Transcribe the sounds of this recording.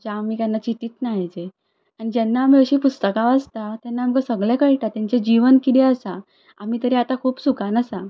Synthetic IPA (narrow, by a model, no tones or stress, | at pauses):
d͡ʑaamiːkanːat͡ɕit̪iːt̪naɦid͡ze | anid͡ʑɛnːaːm̤iəɕiːpust̪əkãʋəst̪at̪janːamkasəɡɭɛ̃kəɭʈat̪ãɲt͡sed͡ʑiʋənkid̪eəsa | am̤iːt̪əɾiat̪akʰuːpsukanəsa